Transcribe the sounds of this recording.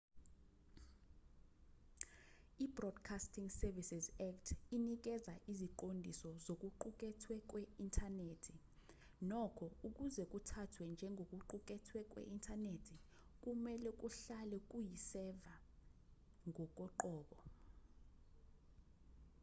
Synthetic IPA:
ibrɔd̥kʰastʰiŋsɛrvisizaktʰinik̬ɛzaʔiziǃondʱisɔzok̬ʼuǃuk̬ʼɛtʰwɛk̬ʼwɛintʰaneːtʰi | nɔkʰɔuk̬ʼuzɛk̬ʼutʰatʰwɛnd͡ʒʱɛŋʱok̬ʼuǃuk̬ʼɛtʰwɛk̬ʼwɛ̰ʔintʰʼanetʰi | k̬ʼumɛlɛk̬uɬalɛk̬ujisɛva | ŋʱɔk̬ʼɔǃɔːɓɔ

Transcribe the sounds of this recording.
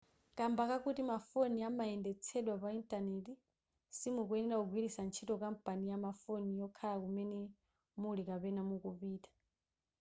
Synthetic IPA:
kambakakutimafoniamaɛndɛt͡sʰɛɗwapaintʼaneti | simuk̬uɛnɛɾakuɡʱwiɾisant͡ʃʰitɔkam̩pʼanijamafonijɔkʰalakumɛnɛ | mulikapɛnamukupiːtḁ

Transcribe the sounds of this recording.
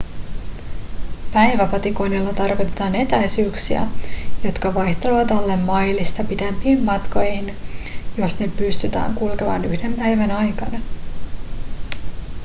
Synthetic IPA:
pæjʋæpɑt̪iko̞jnilːɑt̪ɑrkit̪et̪ɑːne̞t̪æjsyːksiæ̰jo̞t̪kɑʋɑjçt̪eleʋɑt̪olːemmɑjlist̪ɑpit̪empiːmːɑt̪ko̞jhinjo̞snepːyst̪yt̪æ̰ːŋkulkeʋɑ̰nyhde̞mpæjʋænɑjkɑnɑ

